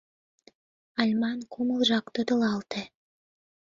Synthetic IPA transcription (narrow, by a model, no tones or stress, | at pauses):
ɑlʲmɑnkuməlʒɑkt̪ŏd̪ɤ̆lɑlt̪ĕ